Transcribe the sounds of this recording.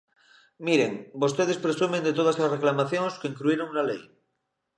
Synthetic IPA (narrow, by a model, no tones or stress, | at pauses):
miɾeŋbo̞st̪eð̞espɾesumẽnd̪et̪oð̞aslasreklamaθjõŋskeiŋkluiɾoŋlalej